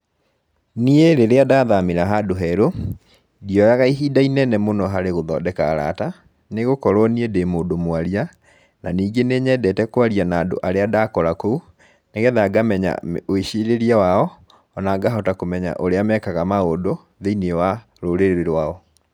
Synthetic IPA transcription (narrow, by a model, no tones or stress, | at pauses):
nieɾeɾeadaðameɾaɦadoɦɛɾo | dijɔjaɣaiɦiːdainɛnɛmonɔɦaɾeɣoðɔ̰dɛkaːɾa̰ta | neɣokɔɾwɔniedemoːdomwaɾia | naniːɡeneɲɛdɛtɛkwaɾianaːdo̰ʔaɾeadakɔɾakou | neɣɛðaɡamɛɲa̰oiɕiɾeɾiawaɔ | ɔnaɡaɦɔtakomɛɲa̰ʔoɾeamɛkaɣamaodo | ðeiniewa | ɾoɾeɾeɾeɾwaɔ